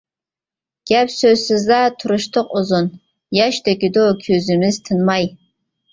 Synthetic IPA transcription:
ɡ̥ʲapʰsosɨzaːtʰuɾɨʃtʰɨqʷʼʊzon | jaʃtʰaɡʲɪdoakʲʰøzɨmɨztʰɨnmaj

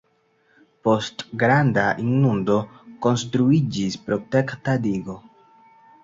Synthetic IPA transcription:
po̞stɡɾandaʔinːundo̞ko̞nstɾuid͡ʒispɾo̞tektadiɡo̞

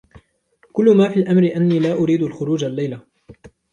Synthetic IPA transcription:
kʊlːʊmaːfiːlʔamɾɪʔanːiːlaːʔʊɾiːd̪alxʊɾuːd͡ʒalːajla

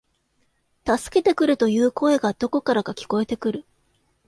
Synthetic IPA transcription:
t̪asɨ̥ke̞t̪e̞kɯ̟ɾɯ̟t̪o̞jɯ̟ːko̞e̞ɡad̪̥o̞ko̞kaɾakakʲi̥ko̞e̞t̪e̞kɯ̟ɾɯ̟

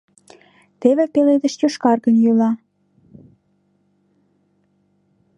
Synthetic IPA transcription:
t̪eβepeled̪ə̆ʃt͡ɕøʃkɑrɣə̆njølɑ

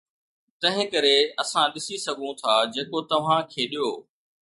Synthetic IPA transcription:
t̪ɐ̃ɦɪ̃kɐɾeɐsãɗɪsisɐɡʱũt̪ʰaːd͡ʑeːkot̪ɐʋ̤ãkʰeːɗijoː

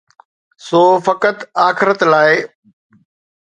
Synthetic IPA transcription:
soːfɐkət̪aːxɪɾət̪laːɪ

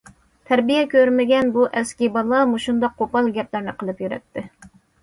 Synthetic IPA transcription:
t̪ʰɛɾbijɛkʲʰøɾmɪɡʲɛnbuʔɛskʲibɑlˠɑmuʃund̪ɑqʰːopɑlˠɡʲɛplæɾnɪqʰəlˠɨpjyɾɛ̰t̪ʰːɪ

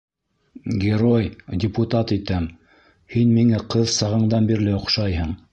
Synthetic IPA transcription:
ɡʲeɾojdʲɪput̪ɑt̪it̪æm | hinmiŋæqɤðsɑʁɤ̆ɴd̪ɑnbiɾlɘŏχʃɑjɦɤɴ

